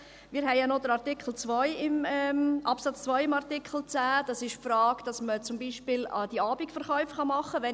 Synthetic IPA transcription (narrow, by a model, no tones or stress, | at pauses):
mɪːɾɦɛɪanod̥̪əɾɑɾtɪkʰχəl̩t͡sʋœjɪmɛmʔɑpsɑt͡st͡svœɪɪmɑɾtɪkʰχəl̩t͡sæːd̥ɑsɪʃfɾɑːɡ̥d̥ɑsmət͡sʊmbiːʃpɪlɑ̰d̥iɑːbikfəɾχœʏfχɑmɑχːəʋɛ